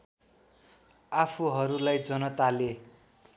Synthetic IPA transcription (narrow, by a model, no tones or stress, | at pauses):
apʰuɦʌɾulajd͡zʌnʌt̪ale